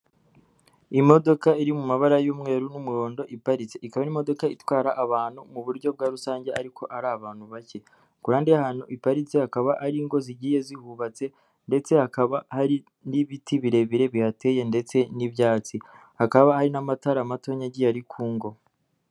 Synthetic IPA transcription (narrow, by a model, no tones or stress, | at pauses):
imo̞do̞kaiɾimumaβaɾajuːmŋe̞ːɾunumuɾo̞ːndo̞ʔipaɾit͡se̞ʔikaβanimo̞do̞kaitwaːɾaʔːβaːnhumuβuɾɟo̞b̚ɡaːɾusaːɲɟe̞ʔaɾikʰo̞ʔaɾaːβaːn̥huβace̞ | kuɾaːndiahaːn̥huʔipaɾit͡sehakaβaʔaɾiŋɡo̞ziɟiːje̞zihuβat͡se̞ | nde̞t͡se̞hakaβahaɾi | niβitʰiβiɾe̞βiɾe̞βihate̞je̞nde̞t͡se̞nibjaːt͡si | hakaβahaɾinamataɾamato̞ɲaɟijaɾikʰuːŋɡo̞